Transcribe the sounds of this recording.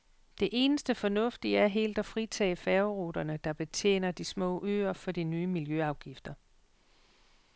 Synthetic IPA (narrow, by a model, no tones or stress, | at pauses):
d̥e̝ʔe̝ːnəsd̥əfɒ̽nɔ̽fd̥iæɐɦe̝̰ːld̥ɒ̽fʁit͡sʰɛ̰ːɪfɛʊʁoːd̥ɐnəd̥ɑ̈b̥e̝t͡sʰjḛːnɐd̥ismɔ̰̽ːʔø̰ːɐfɒ̽d̥inyːəmiljøɑ̈ʊɡ̥ifd̥ɐ